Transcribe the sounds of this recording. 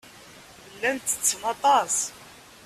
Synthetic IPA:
bəlːænt̪ə̥t͡sːnɑt̪ˤɑs

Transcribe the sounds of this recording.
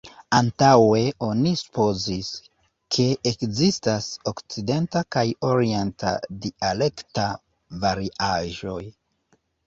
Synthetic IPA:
antawe̞o̞nisu̥po̞zis | kʰe̞ʔekzistaso̞kt͡side̞ntakajo̞ɾie̞nta̰diale̞kta | vaɾiʔaʒo̞j

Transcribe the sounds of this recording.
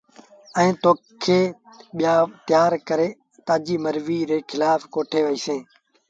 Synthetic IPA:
ɛ̃ːt̪oː | kʰeː | ɓɪjaːt̪ɪjaːɾkəɾeː | t̪aːd͡ʒiːməɾʋiːɾeːkʰɪlaːfkoːʈʰeːʋəiːsẽː

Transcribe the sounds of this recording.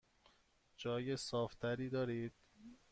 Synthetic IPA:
d͡ʒɒːjesɒːft̪ʰæɾiːd̪ɒːɾiːd̪̥̚

